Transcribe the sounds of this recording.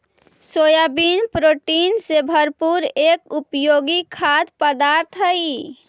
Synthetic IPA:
sojabinpɾoʈinsebʱəɾpuɾekupjoɡikʰat̪pəd̪aɾt̪ʰɦəi

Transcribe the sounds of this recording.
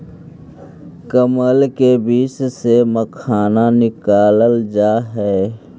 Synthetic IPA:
kəməlkebiːt͡ʃseməkʰaːnanɪkaːləld͡ʒaːɦɛː

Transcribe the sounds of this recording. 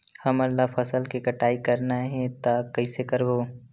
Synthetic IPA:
hɐmɐlːafʰɐsəlkikɐʈaːikɐɾnaɦɛ̃t̪akɐisekɐɾboː

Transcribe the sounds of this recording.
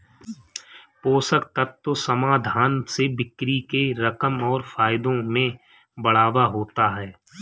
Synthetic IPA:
poːsək̚t̪ət̪ːosɐmaːd̪ʱaːnsebɪkɾikeɾɐkəmɔːɾfaːjɪd̪õmẽ | bɐɽ̤aːʋaɦoːt̪aɦɛː

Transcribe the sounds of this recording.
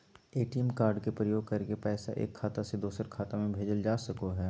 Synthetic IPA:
eːʈiɛmkaːɾɖkepɾəjoːɡ̚kɐɾkepɛːsa̰ʔḛːkʰːaːt̪ased̪uːsəɾkʰaːt̪amẽbʱeːd͡ʒəld͡ʒaːsɐkoɦɛː

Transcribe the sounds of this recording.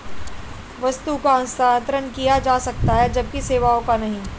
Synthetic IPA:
ʋɐst̪ukaə̃nst̪aːnt̪ɾənkijad͡ʒaːsɐk̚t̪aɦɛd͡ʒɐb̚kiseːʋaõkanɐɦĩː

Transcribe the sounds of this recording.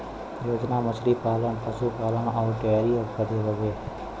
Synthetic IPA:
joːd͡ʒnaːməslipaːləɳpəsupaːlənɔːɾʈejaːɾioːkəd̪eɦoːʋeː

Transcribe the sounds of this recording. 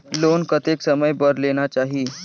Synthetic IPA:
lonkət̪eksəməjbəɾleñat͡ɕaɦi

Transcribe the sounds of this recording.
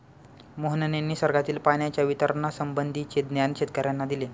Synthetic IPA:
moɦənənenːiːsəɾɡat̪iːlpaɳjat͡ɕjaʋit̪əɾnasəmbənd̪ʱit͡ɕed̪njanɕet̪kəɾjanːad̪ile

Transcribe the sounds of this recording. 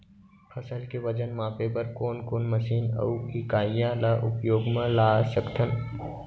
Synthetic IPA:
pʰɐsəlkeʋəd͡ʒənmaːpepɐɾkoːnkoːnməʃiːnə̰ʊɪkaːijãlaʔʊ̰pjoːɡmə̃laːsəkt̪ʰən

